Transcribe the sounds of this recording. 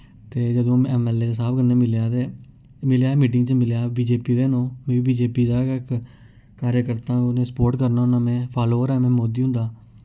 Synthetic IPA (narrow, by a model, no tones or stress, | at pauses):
t̪eːd͡ʒəd̪õːɛːmɛːleːsaːpkənːeːmɪljaːd̪eː | mɪljaːmiːʈ̬ɪ̃ŋɡt͡ʃəmɪljaːbiːd͡ʒeːpiːd̪eːnõːmɛ̃ːʋiːbiːd͡ʒeːpiːd̪aːɪk | kaːɾjəkəɾt̪ãːnẽːsə̥poːɾʈkəɾnaːɦʊnaːmɛ̃ːpʰaːloːɾɛːmɛ̃ːmoːd̪iːɦʊ̃nd̪aː